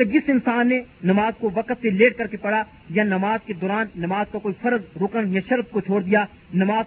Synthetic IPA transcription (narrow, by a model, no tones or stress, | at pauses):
ɐd͡ʒɪsɪnsaːnːenɐmaːzkoʋɐqət̪seleːʈ̚kɐɾkepɐɽa | jɐnɐmaːzked̪ɔːɾaːnːɐmaːzkakoːifɐɾzɾʊkənjɐʃɐɾb̪̚kot͡ʃʰoːɽd̪ijaː | nɐmaːz